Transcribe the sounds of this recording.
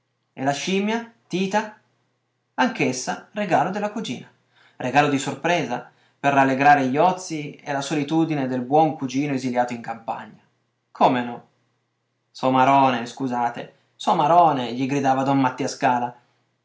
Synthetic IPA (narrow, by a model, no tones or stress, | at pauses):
ḛlaʃimjat̪iːt̪a | aŋkesːareɡaːlod̪elakud͡ʒḭːna | rʔeɡaːlod̪isorpɾɛːza | perːalːeɡɾaːɾeʎɔt̪sːiḛlasolit̪uːd̪ined̪elbwɔŋkud͡ʒiːnoeziljaːt̪oiŋkampa̰ɲːa | kʰomenɔ | sɔmaɾɔːneskuzaːt̪e | sɔmaɾɔːneʎiɡɾid̪aːvad̪ɔmmat̪ːiːaskaːla